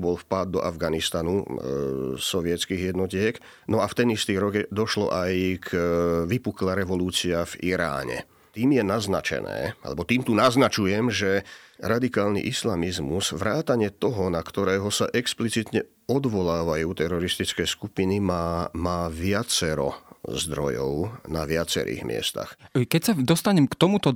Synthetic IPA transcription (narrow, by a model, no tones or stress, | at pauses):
bɔlfpad̪ːɔ̰ʔa̰vɡanist̪anu | sɔʋɪɛt͡skiːɣjɛd̪nɔcɪɛk | nɔaft̪ɛnist̪iːɾɔɡd̪ɔʃlɔ̰ʔajkʋipuklaɾɛʋɔluːt͡siaviɾa̰ːɲɛ̰ | t̪iːmjɛnaznat͡ʃɛ̰nɛ̰ːa̰lɛbɔt̪iːmt̪unaznat͡ʃujɛmʒɛɾad̪ikaːlnḭʔislamizmuz̥ʋɾaːt̪aɲɪɛt̪ɔɦɔnakt̪ɔɾɛːɦɔsa̰ʔɛksplit͡sit̪ɲɛ | ɔd̪ʋɔlaːʋajuːt̪ɛɾɔɾist̪it͡skɛːskupinimamaːʋɪat͡sɛɾɔ̰zd̪ɾɔjɔ̰ʊnaʋɪat͡sɛ̰ɾḭːɣmɪɛ̰st̪a̰xkɛcsad̪ɔst̪aɲɛmkt̪ɔmut̪ɔ